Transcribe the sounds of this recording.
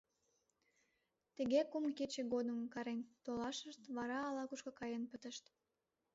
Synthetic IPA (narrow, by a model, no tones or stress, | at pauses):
t̪əɣekumket͡ɕeɣod̪əmkɑɾent̪olɑʃəʃt̪βɑɾɑːlɑkuʃkokɑjenpət̪əʃt̪